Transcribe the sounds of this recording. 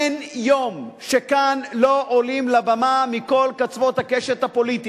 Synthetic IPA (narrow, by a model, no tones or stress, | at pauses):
njomʃekanloʔolimlabamamiko̞lkat͡svo̞t̪hakeʃethapo̞lit̪i